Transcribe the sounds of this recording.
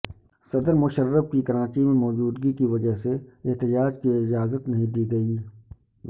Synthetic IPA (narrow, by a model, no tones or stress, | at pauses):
sɐd̪əɾmʊʃəɾːəfkikɐɾãːt͡ʃimẽmɔːd͡ʒuːd̪ɡikiʋɐd͡ʒəɦseɪɦt̪ɪd͡ʒaːd͡ʒkiɪd͡ʒaːzət̪nɐɦĩd̪iːɡɐiː